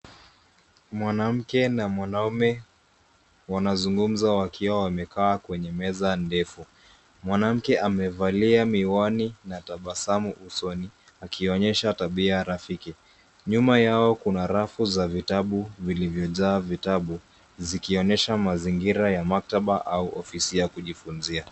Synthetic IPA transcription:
mwanam̩kɛnamwanaumɛ | wanazuŋɡum̩zawakiwawamɛkaːkwɛɲɛmɛzandɛfu | mwanam̩kɛʔamɛvaliamiwɔninataɓasamuʔusɔni | akʰiɔɲɛʃataɓiaɾafiki | ɲumajaɔkunaɾafuzavitaɓuvilivjɔʄaːvitaɓu | zikiɔɲɛʃamaziŋɡiɾajamak̚taɓaʔauʔɔfisijakuʄifunzia

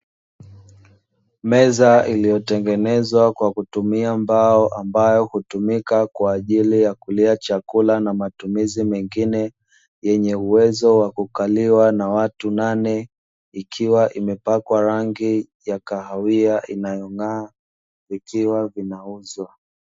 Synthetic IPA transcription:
mɛzailijɔtɛŋɡɛnɛzwakwakutumiambaɔʔambajɔhutumikakwaːʄilijakuliat͡ʃakulanamatumizimɛŋɡinɛ | jɛɲɛuwɛzɔwakukaliwanawatunanɛ | ikʰiwaʔimɛpakwaɾaŋɡi | jakaɦawiaʔinajɔŋaː | vikiwavinauzwa

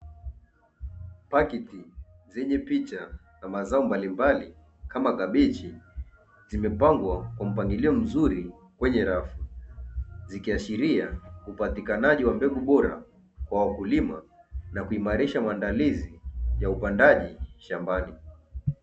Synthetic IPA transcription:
pakiti | zɛɲɛpit͡ʃa | namazaɔmbalimbali | kʰamaɡaɓɛt͡ʃi | zimɛpaŋɡwakwam̩paŋɡiliɔm̩zuɾi | kwɛɲɛɾafu | zikiaʃiɾiaupatikanaʄiwambɛɡuɓɔɾa̰ | kwawakulima̰ | nakuimaɾiʃamaːndalizijaupandaʄiʃambani

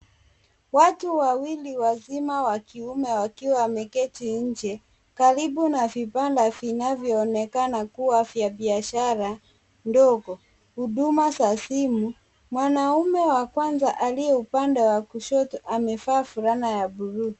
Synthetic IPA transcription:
watuwawiliwazimawakiumɛwakiwamɛkɛtiɲ̩d͡ʒɛ | kaɾibunavipandavinavjɔːnɛkanakuwavjabiaʃaɾa | ndɔɡɔ | huɗumasasimu | mwanaumɛwakwanzaʔaliɛupandɛwakuʃɔtɔʔamɛfaːfuɾanajabuɾuː

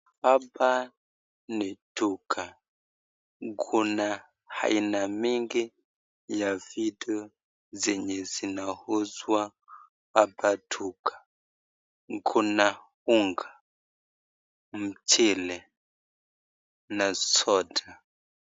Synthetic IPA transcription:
aba | nɛtʰukʰa | ɡʰuna | ha̰inamiŋɡi | javidɛɔ | zɛɲɛzinahuzwa | abatʰukʰḁ | ɡuna | huŋɡa | m̩t͡ʃʰɛlɛ | nasɔdʰa

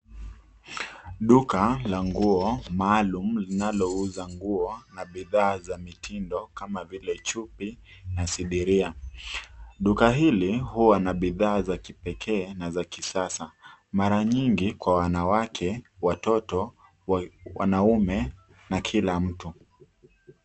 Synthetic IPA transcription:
ɗukalaŋɡuɔmaːlum̩linalɔuzaŋɡuɔnaɓiðaːzamitʰindɔkamavilɛt͡ʃupi | nasiɗiɾia | ɗukaɦilihuwanaɓiðaːzakipɛkʰɛːnazakisasamaɾaɲiŋɡikwawanawakʰɛwatɔtɔ | wa̰naumɛ | nakʰilam̩tu

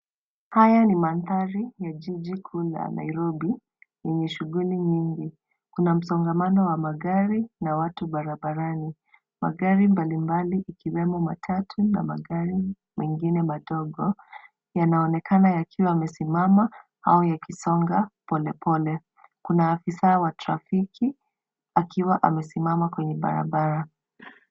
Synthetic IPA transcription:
hajanimanθaɾijaʄiʄikʰula̰na̰iɾɔɓi | jɛɲɛʃuɡuliɲiŋɡi | kunam̩sɔŋɡamanɔwamaɠaɾinawatuɓaɾabaɾani | ma̰ɡaɾimbalimbaliʔikiwɛmɔma̰tʰatʰuna̰ma̰ɡaɾi | mɛŋɡinɛmaɗɔɠɔ | janaɔnɛkʰanajakʰiwaːmɛsimama | ha̰ɔjakʰisɔŋɡapɔlɛpʰɔlɛ | kunaːfisawatɾa̰fikʰi | akʰiwaʔamɛsimamakwɛɲɛɓa̰ɾa̰ɓaɾa

